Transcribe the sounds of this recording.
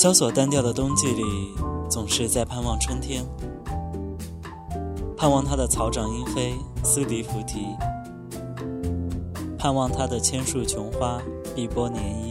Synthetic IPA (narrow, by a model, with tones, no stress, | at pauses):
ɕjɑ˥ʊswɔ˨˩t̪a˥nt̪jɑ˥˩ʊd̪ə˩t̪ʊ˥ŋt͡ɕi˥˩li˨˩t͡sʊ˨˩ŋʂɻ̩˥˧t͡sa˥˧ɪpʰa˥˧nwɑ˥˩ŋʈ͡ʂʰɤ˥ŋt̪ʰjɛ˥n | pʰa˥˧nwɑ˥˩ŋt̪ʰa˥d̪ə˨t͡sʰɑ˧˥ʊʈ͡ʂɑ˨˩ŋi˥nfe˥ɪs̩˥li˧˥fu˧˥t̪ʰi˧˥ | pʰa˥˧nwɑ˥˩ŋt̪ʰa˥d̪ə˨t͡ɕʰjɛ˥nʂu˥˩t͡ɕʰjʊ˧˥ŋxwa˥ | pi˥˩pwɔ˥njɛ˧˥ni˥˩